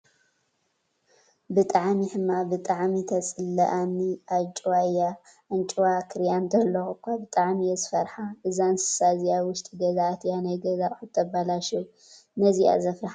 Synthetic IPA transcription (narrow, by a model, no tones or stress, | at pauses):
bɨt̪ʼaʕmiħɨmːabɨt̪ʼaʕmit̪ʰɐt͡sʼɨlːɐʔanːiʔat͡ʃʼwaja | ʔɨnt͡ʃʼuwakʰɨɾjanzɐlːɐxukʰaβt̪ʼaʕmijɛzɨfɐɾħaʔɨzansɨ̥sazijawʊʃt̪ʼiɡɐzaʔt̪ʰjanajɡɐzaʔʼħut̪ʰɐbalaʃu | nɐzia̰zɐfɾaħa